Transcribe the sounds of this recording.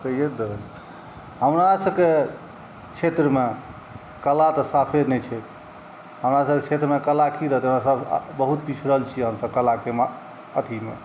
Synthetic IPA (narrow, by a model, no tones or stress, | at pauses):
kəijed̪ebəl | ɦəmɾasəbke | t͡ʃʰet̪ɾəme | kəlat̪əsapʰed̪nɛjt͡ʃʰɛt̪ | ɦəmɾasəbket͡ʃʰet̪ɾəmekəlakiɾəɦt̪əmɾasəbbəɦut̪pit͡ʃʰɾəɦəlt͡ʃʰiɦəmsəb̚kəlakema | ət̪ʰimḛ